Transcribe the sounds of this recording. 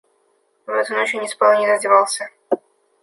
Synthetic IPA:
vɛt̪ʊnot͡ɕɪnʲɪspalˠnʲɪzɐdʲɪvalˠsʲə

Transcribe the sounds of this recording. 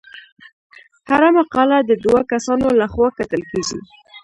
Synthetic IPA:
haɾamaqɑlad̪əd̪wakasɑnolaxwɑkat̪əlkeɡḭ

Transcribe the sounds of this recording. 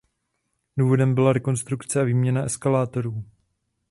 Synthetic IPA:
duːvo̞dɛmbɪlaɾɛko̞nst̪ɾukt͡sɛaviːmɲɛnaʔɛskalaːt̪o̞ɾuː

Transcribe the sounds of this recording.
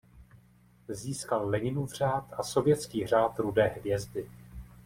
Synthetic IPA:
ziːskalːɛɲɪnuvr̝aːt̪ʔaso̞vjɛt̪t͡skiːr̝aːt̪ɾudɛːɦvjɛzdɪ

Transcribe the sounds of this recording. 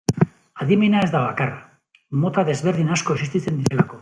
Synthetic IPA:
aðiminae̞zd̪aβakara | mo̞t̪aðe̞zβe̞ɾð̞inasko̞esist̪it͡se̞nd̪iɾe̞lako̞

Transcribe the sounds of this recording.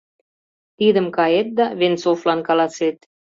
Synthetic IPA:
t̪id̪ə̆mkɑjet̪̚d̪ɑβensoflɑnkɑlɑset̪̚

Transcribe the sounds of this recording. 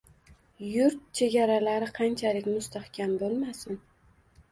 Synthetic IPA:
jʊɾt̪̚t͡ʃʰe̞ɡʲaɾalaɾɪqʰɑnt͡ʃʰalɪkʲmʊst̪ʰahkʲʰambolˠmasɪn

